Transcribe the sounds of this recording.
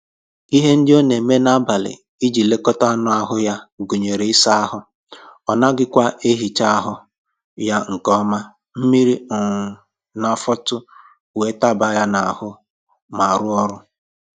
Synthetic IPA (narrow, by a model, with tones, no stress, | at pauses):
i˦ɦe˦n̩˦dɪ˦o˦ne˨me˦na˦ba˨lɪ̰˨ | i˦d͡ʒi˨le˦kɔ˦ta˦nʊ˦a˦ɦʊ˦ja˦ɡu˨ɲe˨ɾe˨ɪ˦sa˦a˦ɦʊ˦ | ɔ˨na˦ɡɪ˦kʷa˦ʔe˦ɦi˨t͡ʃa˦a˦ɦʊ˦ | ja˦ŋ̩˨kɔ˦ma˦ | m̩˦mi˦ɾi˦˨ | na˨fɔ˦tʊ˦˨ | e˦ta˦ba˦ja˦na˨hʊ˦ | ma˨ɾʊ˦ɔ˦ɾʊ˦